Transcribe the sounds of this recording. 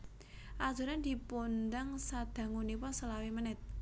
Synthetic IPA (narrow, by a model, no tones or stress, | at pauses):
ʔḁʒ̥ṳɾand̪i̤pond̪aŋsad̪̥a̤ŋuniwɔsəlawimənɪt̪̚